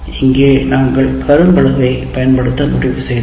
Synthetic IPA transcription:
ɪŋɡeːnaːŋɡɐɭkʰɐɾɯmbɐɭɐʋɐɪpɐjɐnpɐɽɯt̪ːɐnʊrrɪpːɯsɛj

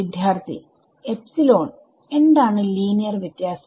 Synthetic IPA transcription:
id̪ʱjaːrt̪ʰḭ | e̞psilo̞ːn | e̞nɖ̪aːɳɨliːnijɐrʋjɐt̪jaːs

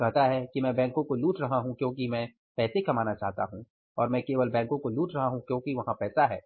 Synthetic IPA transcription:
kɐɦt̪aɦɛkimɛ̃ːbɛ̃ːŋkõkoluːʈɾɐɦaɦũkjõːkimɛ̃ː | pɛːsekɐmaːnat͡ʃaːɦt̪a̰ɦũ | ɔːɾmɛ̃ːkeːʋəlbɛ̃ːŋkõkoluːʈɾɐɦaɦũkjõːkiʋɐɦãpɛːsaɦɛː

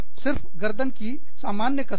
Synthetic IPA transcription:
sɪɾfɡɐɾd̪ənki | saːmaːnjəkɐ

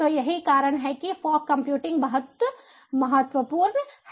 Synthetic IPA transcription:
ojɐɦikaːɾəɽ̃ɦɛkifɔːkkːɐ̃mpjuːʈɪ̃ŋɡbɐɦət̪ə | mɐɦət̪ʋəpuːɾnh

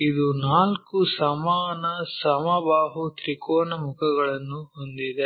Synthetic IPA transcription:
id̪unaːlkusɐmaːnɐsɐmɐbaːɦut̪ɾikɔːnɐmukʰɐɡɐɭɐnːuɦond̪id̪e

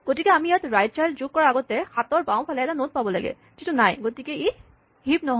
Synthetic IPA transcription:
ɡ̥otikɛamijatɹajt̚t͡ʃajld͡ʒuɡ̚kːɔɹaaɡɔtɛxʰat̪ɔɹbãw̃pʰalɛɛtanot̚pabɔla̰ɡɛ̰ | z̥itunajɡotikɛe | hip̚nɔɦ

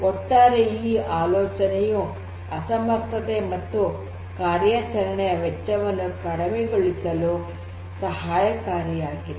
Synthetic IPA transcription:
kɔʈːaːɾeiːaːloːt͡ʃɐneju | ɐsɐmɐɾt̪ʰɐt̪emɐt̪ːu | kaːɾjɐt͡ʃɐɾɐɳɛjɐʋɛt͡ʃːɐʋɐnːukɐɽɐmeɡoɭisɐlu | sɐɦaːjɐkaːɾjɐjaːɡi

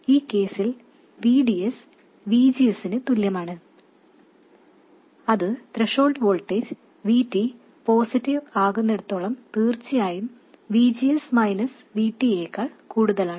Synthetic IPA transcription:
iːkːe̞ːsil | ʋiːɖies | ʋiːd͡ʑijɐsinɨt̪uljɐmaːɳɨ | ɐðɨt̪ɾeʂo̞ːlɖʋoːɭʈːeɾ | ʋiːʈːi | poːsitːiʋaːɣunːeɽut̪ːo̞ːɭɐmt̪iːrt͡ɕːijaːjum | ʋiːd͡ʑijɐsmɐjnɐs | ʋiːʈːieːkːaːɭkuːɽuðɐlaːɳɨ

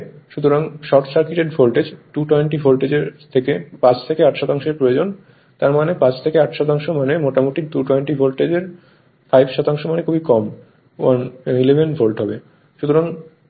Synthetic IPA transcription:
ʃut̪ʰoɾaŋʃɔʈsaɾkiʈeɖfolʈed͡ʑʈuʈɔjɳʈifolʈed͡ʑeɾt̪ʰekepãt͡ɕʰt̪ʰekeaʈʃɔt̪aŋʃeɾpɾood͡ʑon | t̪aɾmanepãt͡ɕt̪ʰekeaʈʃɔt̪aŋʃomanemoʈamoʈik̚d̪uʈɔjɳʈifolʈed͡ʑeɾ | fajbʃɔt̪aŋʃomanekʰubikɔm | wanilebʱenfolʈɦɔbe | ʃut̪ʰoɾaŋ

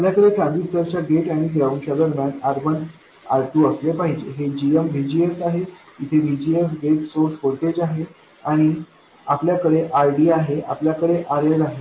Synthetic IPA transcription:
apljakəɾekʰãnd̪ist̪əɾt͡ɕaɡeʈaɽ̃iɡɾawnt͡ɕad̪əɾmʲjanaɾbən | aɾʈuəslepaɦid͡ʑeɦed͡ʑiemʋʱid͡ʑiesaɦe | it̪ʰeʋid͡ʑiesɡeʈsoɾsɦoɽʈ̪ed͡ʑaɦe | aɽ̃i | apljakəɽeʔajɖiːaɦeapljakəɽeʔaɾeɾaɦe

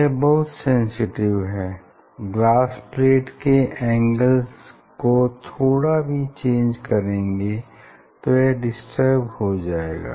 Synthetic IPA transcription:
jɛbɐɦʊt̪sɛ̃nsɪʈɪʋɦɛː | ɡlaːspleːʈkeʔɛ̃ːŋɡəlz | kot̪ʰoːɽabʱit͡ʃẽːnd͡ʒkɐɾẽːŋɡe | t̪ojeɖɪsʈəɾbhod͡ʒaːḛːɡa̰ː

